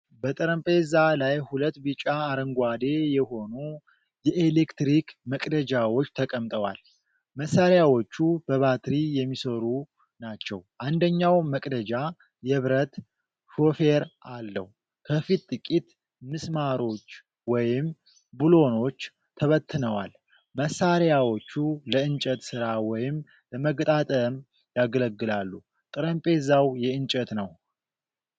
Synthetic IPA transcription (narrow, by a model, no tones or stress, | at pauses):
bət̪ʼəɾəmpʼezalajhulət̪ːbɨt͡ʃʼaːɾəŋɡʷad̪e̞jɛɦo̞nu | jɛʔelekt̪ɾikməkʼd̪əd͡ʒawo̞t͡ʃːt̪ʰəkʼəmt̪ʼəwa̰l | məsaɾjawo̞t͡ʃːubəβat̪ʰɾijɛmːisəɾu | nat͡ʃːɛ̰wʔand̪əɲːawməkʼd̪əd͡ʒa | jɛβɾət̪ | hofe̞ɾʔalːə̰h | kʰəfit̪ʼːɨkʼit̪ | mɨsmaɾo̞t͡ʃː | wɔjɪm | bulo̞no̞t͡ʃː | t̪ʰəβət̪ːɨnəwa̰l | məsːaɾjawo̞t͡ʃːuləɨnt͡ʃʼət̪sɨɾawɔjɪm | ləməɡt̪ʼat̪ʼəm | jaɡələɡːɨlalːu | t̪ʼɨɾəmpʼe̞zawjɛɨɲt͡ʃʼət̪nəw